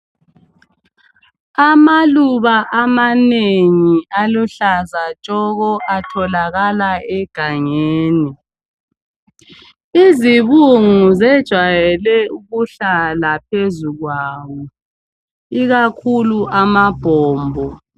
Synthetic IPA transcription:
amaluβaʔamaneŋialuɬazat͡ʃʼɔɣɔʔatʰɔlaɣalaɛɡ̥ʱaŋeːni | iziβuŋuzɛd̥ʒ̥ʱwajɛlɛuɣuɬalapʰezuɣwaːwɔ | iɣakʰuluʔamab̥ʱɔːmbʱɔ

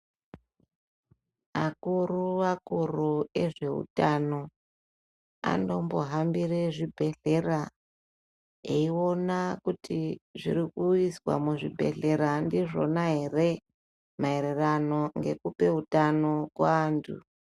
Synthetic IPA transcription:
akuruʋakurueʐe̞ɦṵtano̞ | a̰ndo̞mbo̞ɦambireʐibʱe̞ɮe̞ra | eio̞nakutiʐḭɾikuiswa̰muʐibʱe̞̰ɮe̞ɾandiʐo̞naɦe̞re | maeɾerano̞ŋɡe̞kupe̞utano̞kwa̰ːntʰṵ

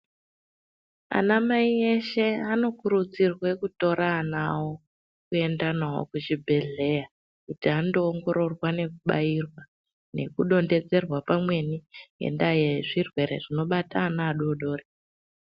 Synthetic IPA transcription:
a̰namaie̞ʃe̞ano̞kuɾud͡zirwe̞kuto̞ɾaːnawo | kue̞ndanaɦo̰kut͡ʃibʱe̞ɮe̞ja | kutiando̞ːŋɡo̞ɾo̞rwane̞kuɓa̰irwa | ne̞̰kuɗo̞nde̞d͡ze̞rwapamwe̞niɦḛndajeʐirwe̞ɾe̞̰ʐ̥ino̞ɓataːnaːɗoɗo̞ːre

